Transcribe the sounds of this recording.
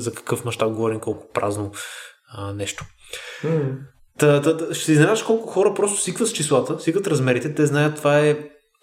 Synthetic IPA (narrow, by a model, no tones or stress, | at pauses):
zɐkɐ̥kɤfmɐʃt̪ap̚ɡovɔɾimkɔlˠkʊ̥pɾʔa̰zno | nɛʃt̪o̥ | t̪ɐt̪ʃɛ̥sɛizɛaəʃkɔlˠkʊxɔɾəpɾɔst̪ʊ̥sikvət̪st͡ʃislˠat̪əsikvət̪ɾɐzmɛɾit̪ɛt̪ɛznajət̪ːovaɛ